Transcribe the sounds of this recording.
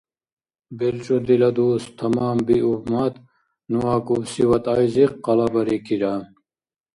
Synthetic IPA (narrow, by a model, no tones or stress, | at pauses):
bilt͡ʃʼod̪ilɐd̪uːst̪ʰɐmaːmbiubmɐt̪ | nuwaːkubsiwɐt̪ajziqːɐlɐbɐɾikiɾam